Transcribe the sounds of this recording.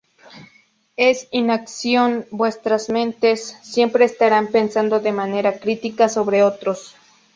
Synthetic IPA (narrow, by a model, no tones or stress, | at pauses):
esinaksjonbwest̪ɾasmẽnt̪esːje̞mpɾeːst̪aɾampensand̪oðemaneɾakɾit̪ikasoβɾeot̪ɾos